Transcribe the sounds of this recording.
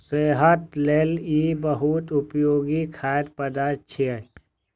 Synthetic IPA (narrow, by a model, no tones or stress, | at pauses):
seːɦət̪leːliːbəɦut̪ʊpjoːɡikʰaːd̪pəd̪aːt͡ʃʰie